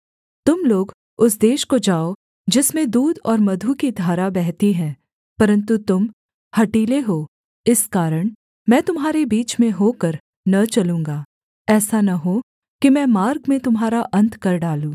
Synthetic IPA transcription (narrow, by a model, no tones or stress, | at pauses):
t̪ʊmloːɡ | ʊsd̪eːʃkod͡ʒaːo | d͡ʒɪsmẽd̪uːd̪ɔːɾmɐd̪ʱukid̪ʱaːɾabɛɦt̪iɦɛ̃ː | pɐɾə̃nt̪ut̪ʊm | hɐʈiːleɦoː | ɪskaːɾəɽ̃ | mɛ̃ːt̪ʊmɦaːɾebiːt͡ʃmẽɦoːkɐɾ | nɐt͡ʃɐlũːŋɡaː | ɛːsanɐɦo | kimɛ̃ːmaːɾɡmẽt̪ʊmɦaːɾaʔɐ̃nt̪ʰkɐɾɖaːlũː